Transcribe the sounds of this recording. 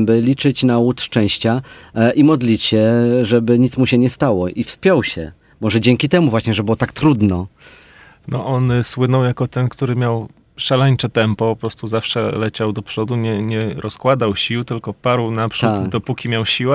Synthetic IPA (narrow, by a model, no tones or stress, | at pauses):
bɘlʲit͡ʂɘt͡ɕnaut̪ʂt͡ʂɛ̃w̃ɕt͡ɕaʔimɔd̪lʲit͡ɕɕɛʐɛbɘɲit̪smuɕɛɲɛst̪awɔʔifspʲjɔwɕɛ̰ | mɔʐɛd͡ʑɛŋkʲit̪ɛmuvwaɕɲɛʐɛbɨwɔt̪akt̪ɾud̪nɔ | nɔʔɔnswɘnɔ̃wjakɔt̪ɛnkt̪uɾɘmʲjaw | ʂalɛɲt͡ʂɛt̪ɛmpɔpɔpɾɔst̪uzafʂɛlɛt͡ɕawd̪ɔpʂɔd̪uɲɛɲɛɾɔskwad̪awɕiwt̪ɘlkɔpaɾwnapʂad̪ɔpukʲimʲjawɕiwa